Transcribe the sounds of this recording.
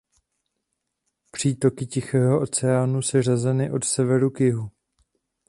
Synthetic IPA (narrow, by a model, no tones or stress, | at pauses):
pr̝̥iːt̪o̞kɪcɪxɛːɦo̞ʔo̞t͡sɛaːnusɛr̝azɛnɪʔo̞t̪sɛvɛɾukjɪɦu